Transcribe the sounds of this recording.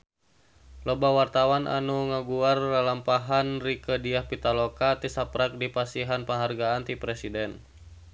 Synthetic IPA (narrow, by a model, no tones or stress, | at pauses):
lobawart̪awanʔa̰nuŋaɡuarlalampaɦanrikədiahpit̪alokat̪isapɾak̚dipasiɦanpəŋɦarɡaant̪ipɾɛsidɛn